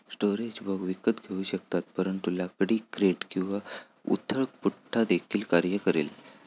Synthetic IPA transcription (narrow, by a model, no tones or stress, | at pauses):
sʈoɾed͡ʑbʱəɡʋikət̪ɡʱeuːɕək̚t̪at̪̚pəɾəɳt̪ulakɽiːkɾeʈkĩw̃ʋa | ṵt̪ʰːəɭpuʈʰːad̪ekʰiːlkaɾjəkəɾḛl